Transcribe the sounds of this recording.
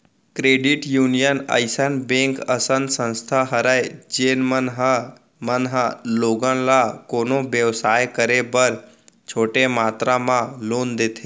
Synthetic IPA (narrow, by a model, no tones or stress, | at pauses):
kɾeːɖiʈjunijənə̰jsənbẽŋkəsənd̪sə̃nst̪ʰaɦəɾajd͡ʒenmənɦ | mənɦaloɡənlakoːnoʋjəʋsaːjkəɾebəɾ | t͡ʃʰoːʈemaːt̪ɾamãloːnd̪et̪ʰe